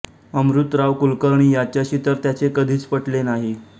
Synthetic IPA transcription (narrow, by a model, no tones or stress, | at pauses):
əmɾut̪ɾaʋkulkəɾɳiːjat͡ɕjaɕiːt̪əɾt̪jat͡sekəd̪ʱiːt͡spəʈlenaɦi